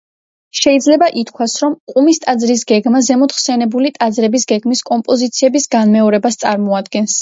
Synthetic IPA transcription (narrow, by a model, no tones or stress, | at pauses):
ʃɛid̪zlɛbaʔit̪ʰkʰwasɾɔmkʼumist̪ʼad̪zɾis̬ɡɛɡmazɛmɔt̪χsɛnɛbulit̪ʼad̪zɾɛbisɡɛɡmiskʼɔmpʼɔzit̪sʰiɛbisɡanmɛɔɾɛbast̪sʼaɾmɔad̪ɡɛns